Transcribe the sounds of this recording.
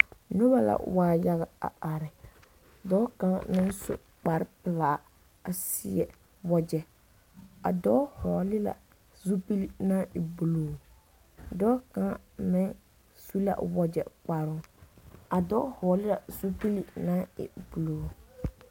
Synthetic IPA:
nʊ˦ba˦la̰˦waː˨˦˨ja˦ɣa˨a̰˨ʔa˨ɾɪ˨ | dɔː˦ka˦nɪ˦n˦sʊ̰˨ | k͡pa˨ɾɪ˦pɪ˨la˨ | a˨sɪ˦ɛ̰˨ | wɔ˦d͡ʒɛ˨ | a˨dɔː˦hɔ˨lɪ˦la̰˨ | zu˦pi˦li˦na˦ɪ˨bu˨loː˨ | dɔː˦kã˦mɪ˦ | su˦la̰˦˨wɔ˦d͡ʒɛ̰˨k͡pa˨ɾʊ˦ | a˨dɔː˦hɔː˨lɪ˦la˨zu˦pi˦li˦na˦ɪ̰˨bu˨loː˨

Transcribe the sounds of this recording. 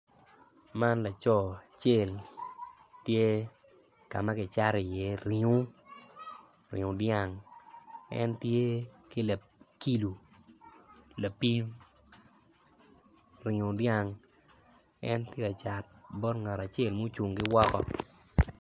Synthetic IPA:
ma˦nla˨t͡ʃɔ˨a˨t͡ʃe˦˨l | tje˦ | ka˨ma˦kɪ˨t͡ʃa˦ɾɪ˨je˨˦ɾi˨ŋu˦ | ɾɪ̰˨ŋʊ˨dja˦˨ŋ | ɛ̰˦ntje˦kɪ˦la˨ | ki˦lu˨ | la˨pi˦m | ɾɪ˨ŋʊ˨dja˦ŋ | ɛ̰˦ntje˦ka˨t͡ʃa˨t̚bɔ˦tŋa˨ɾa˨t͡ʃe˦˨lmo˦t͡ʃu˨ŋɡɪ˦wɔ˦kɔ˦

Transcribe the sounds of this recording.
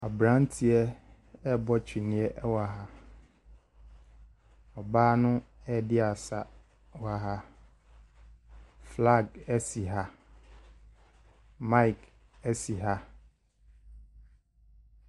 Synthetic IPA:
a˨bɾã˦n˦tʰi˨ɛ˦ | ɛ˦bɔ˦t͡ɕᶣi˨nɪ̃˨˦ɛ˦ʔɛ˦wa˨ɦa˨ | ɔ˨baː˦nʊ̃˦ɛ˦dɪ˦a˨sa̰˨ | wa˨ɦa˦ | fla˦˨ɡɛ˦si˨ɦa˦ | mã˦i˨k | ɛ˦si˨ɦa˦

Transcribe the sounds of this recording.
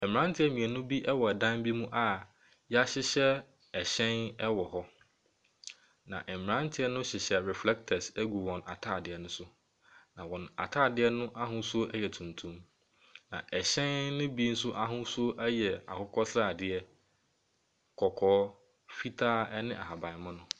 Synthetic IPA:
ɛ˨m̃˨ɾã˦n˦tʰɪ˦ɛ˦mĩ˨ɛ˨nʊ̃˦bi˦ʔɛ˦wɔ˨ɛ˨dã˦mbi˦mũ˦ʔa˨ | jɛ˦a˦ɕɪ˦ɕɛ˦ | ɛ˨ɕɛ̃˦nɛ˦wɔ˨ɦɔ˦ | nã̰˨ʔɛ˨m˨ɾã˦n˦tʰɪ˦ɛ˦nʊ̃˦ɕɪ˨ɕɛ˦ɾɛ˨flɛ˦k̚tʰɛ˨sɛ˦ɡu˨wɔ̃˨na˨tʰa˦˨dɪ˨ɛ˨nʊ̃˦sʊ˦ | nã˨wɔ̃˨n˨a̰˨tʰaː˦˨dɪ˦ɛ˦nʊ̃˦ʔa˦ɦʊ̃˦su˦o˦ʔɛ˦jɛ˨tʰũ˨ntʰũ˦m | nã̰˨ʔɛ˨ɕɛ̃˦nːʊ̃˦bi˦n̩˦sʊ˦ʔa˦ɦʊ̃˦su˦o˦ʔɛ˦jɛ˨a̰˨kʊ˦kʰɔ˦sɾa˦˨dɪ˨ɛ˦ | kʰɔ˨kʰɔː˦ | fi˦tʰaː˦ɛ˦nɪ̃˦ʔa̰˨ha˨bã˨mʊ̃˦nʊ̃˦

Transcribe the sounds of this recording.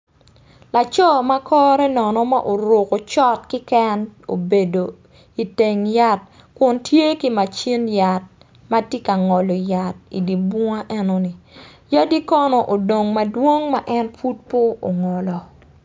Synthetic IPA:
la˨t͡ʃɔ˦ma˦kʰɔː˦ɾɛ˦nɔ˨nɔ˦ma̰˦ʔo˨ɾo˨ko˨t͡ʃɔ˦t̚kɪ˦kɛ˦no̰˨be˨do˨ | i˨te˨ŋja˨t̚ | kʊ˨ntʰje˦ki˦ma˨t͡ʃi˦nja˨t̚ | ma˦tje˦ka˨ŋɔ˨lɔ˨ja˨tḭ˨di˨bʊ˦ŋa˦ʔɛ˦no˦ni˨ja˦di˦kɔ˦nɔ˨ʔo˨do˨ŋma˨dwo˦ŋma˦ʔɛ˦nfu˦t̚po˦o˨ŋɔ˨lɔ˨

